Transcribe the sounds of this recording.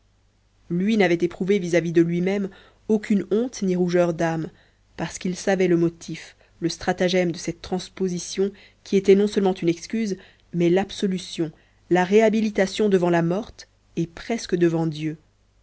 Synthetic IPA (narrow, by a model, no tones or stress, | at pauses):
lɥinavɛt̪epχuvevizavid̪əlɥimɛm | okʲynɔ̃t̪niʁuʒœʁd̪am | paʁsə̥kilsavɛləmɔt̪ʰif | ləst̪χat̪aʒɛmd̪əsɛt̪ːχɑ̃spozisjɔ̃ | kʲʰiet̪ɛnɔ̃sœlmɑ̃t̪ynɛkskʲyz | mɛlabsɔlysjɔ̃ | laʁeabilit̪asjɔ̃d̪əvɑ̃lamɔʁt̪ | epχɛskəd̪əvɑ̃d̪jø